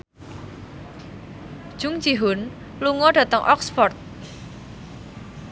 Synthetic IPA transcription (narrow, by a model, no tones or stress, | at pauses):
d̥ʒ̥ʊŋ̥d͡ʒiɦʊn | luŋɔɖä̤t̪əŋʔɔ̰ksfɔrt̪̚